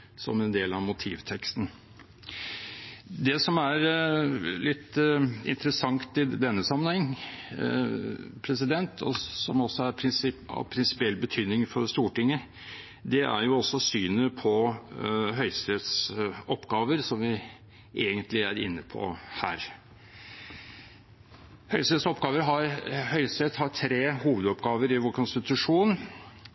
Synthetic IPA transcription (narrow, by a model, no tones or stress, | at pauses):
sɔ̰mɛnd̪eːlɑʋmʊt̪ʰḭːʋt̪ʰɛkst̪n̩ | d̪ɛsɔmæɾ | lɪt̪ːɪ̰nt̪əɾəsɑŋt̪ɪd̪ɛnːəsɑmːənhɛŋː | pʰɾɛsɪd̪ɛnt̪ʰɔ̰sɔmɔsːɔæɾpʰɾɪsɑ̰pʰɾɪnsɪ̥pɪɛlbət̪ʰyːd̪nɪŋfɔɾst̪uːʈɪŋːə | d̪ɛʔæ̰ɾjʊɔsːɔsyːnəpʰɔ | ɦœʏst̪et̪sɔpːɡɑːʋəɾsɔmʋɪ | ʔeːɡənt̪lɪæɾɪ̰nːəpʰɔ̰hæ̰ːɾ | hœʏst̪eːsɔpɡɑːʋəɾɦɑɾhœʏst̪et̪hɑʈʰɾeːhuːʋəd̪ɔpɡɑːʋəɾɪʋoːɾkʰʊnst̪ɪt̪ʉʂuːn